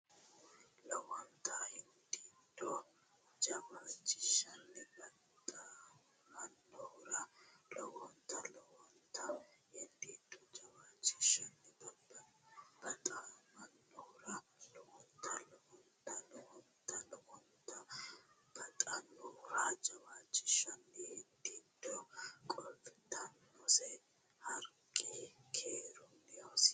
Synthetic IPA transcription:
lɔwɔnt̪ʰɐhɪnd̪ʼit̪ɔ | d͡ʒɐmat͡ʃːɪ̥ʃɐnːɛbɐt̪ʼ | mɐnːɔɾɐlɔwɔnt̪ɐlɔwɔnt̪ʰɐhɪnd̪ʼit̪ːɔd͡ʒɐmat͡ʃːɪ̥ʃɐnːɛb | b̥ɐt̪ʼɐnɐnːɔhʊɾɐlɔwɔnt̪ʰːɐlɔwɔnt̪ːɐlɔwɔnt̪ːɐlɔwɔnt̪ːɐ | b̥ɐt̪ʼɐnːɔɾad͡ʒɐwat͡ʃʼːɪ̥ʃɐnːɛhɪnd̪it̪ːɔkʼɔlfɪt̪ʰːɐnːɔsɛ | hɐɾkʼːɪkʰeːɾɔnːɛjos

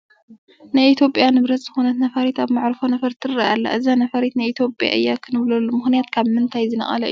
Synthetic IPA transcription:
najʔit̪ʰjo̞pʼjanɨβɾɐt̪ʼzɨxunɐt̪nɐfɐɾet̪aβmaʕɾɨfonɐfɐɾt̪ʰɨɾɨɾaʔalːa̰ʔɨzanɐfɐɾet̪nɨʔit̪ʰjo̞pʼja̰ʔɨjːakʰɨnɨβlɐlːumɨxnijat̪kʰaβmɨnt̪ʰajzɨnɐ̰χʼɐ̰lɐʔɨ̰j

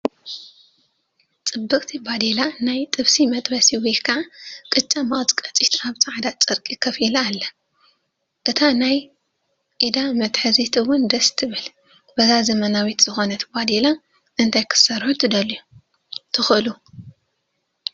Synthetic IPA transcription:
t͡sʼɨbːɨkʼt̪ʰibad̪elanajt̪ʼɨβsimɐt̪ʼbɐsiwikʰaʕakʼɨt͡ʃʼːɐmɐχʼt͡sʼkʼɐt͡sʼit̪aβt͡sʼaʕd̪at͡sʼɨɾkʼikʰɐfilaːlːɐ | ʔɨt̪ʰanaj | ʔid̪amɐt̪ħɨzit̪ʰiwʊnd̪ɐst̪ʰɨβɨl | b̥ɐzazɐmɐnawit̪z̥ɨxo̞nɐt̪ʰbad̪ela | ʔɨnt̪ʰajkʰɨ̥sɐɾħut̪ʰɨd̪ɐlu | t̪ʰɨxɨɨlu

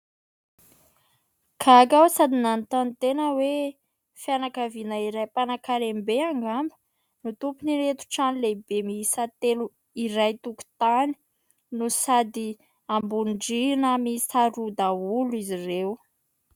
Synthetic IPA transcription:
kʰakawsad̪inanit̪anit̪enəwe | fianakavinaiɾajpanakaɾembeaŋɡambə̥ | nut̪upuniɾet̪u̥ʈ͡ʂanlebemisat̪elu | iɾajt̪uku̥t̪ani̥ | nusad̪i | ambuɳɖ͡ʐinəmisaɾud̪aulizirew

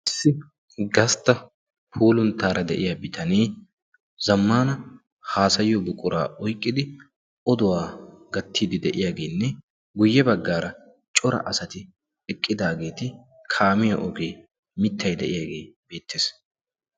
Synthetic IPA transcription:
ʔɪsːɪ | ɡɐst̪ːɐ | pʰuːlʊnt̪ːaːɾʔɐd̪ɛ̰ʔɪjaːbɪt̪ɐniː | zɐmːaːnɐ | haːsɐjːɔbʊkʼːʊɾa̰ːʔɔjkʼːɪd̪ɪ | ʔɔd̪ʊwaːɡɐt̪ːiːd̪ɪd̪ɛʔɪjaːɡe̞ːnːɛ | ɡʊjːɛbɐɡːaːɾɐ | t͡ʃʼɔɾɐ̰ʔɐsɐt̪ɪ | ɛkʼːɪd̪aːɡe̞ːt̪ɪ | kʰaːmɪjɐʔɔɡeː | mɪt̪ːɐjd̪ɛʔɪjaːɡe̞ːb̥e̞ːt̪ʰːe̞ːs

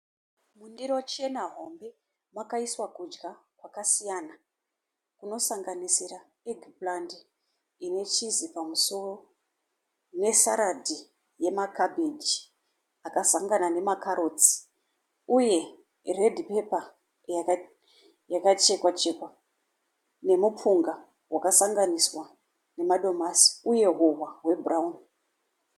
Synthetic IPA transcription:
mundiɾo̞t͡ʃe̞naɦo̞mbe̞ | makaiswakud͡ʒɡakwakasijana | kuno̞saŋɡanisira | eɡʱiplandi | ine̞t͡ʃizipamuso̞ro | ne̞saɾadʱi | je̞makabʱed͡ʒi | akasaŋɡanane̞makaɾo̞t͡si̥ | uje̞ | re̞dʱipe̞pa | jakat͡ʃe̞kwat͡ʃe̞kwa | ne̞mup͡fuŋɡa | wʔakasaŋɡaniswa | ne̞maɗo̞masi̥uje̞ɦowaɦwe̞buraun

